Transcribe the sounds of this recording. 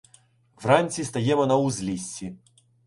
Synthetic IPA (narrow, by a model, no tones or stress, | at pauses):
vranʲsʲist̪ɐjɛmɔnɐuzʲlʲisʲi